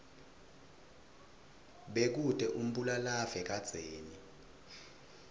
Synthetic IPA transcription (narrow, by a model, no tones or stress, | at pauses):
ɓek̬ud̥ʼʱɛʔum̩ɓulalavɛk̬ad̥z̥ʱeːni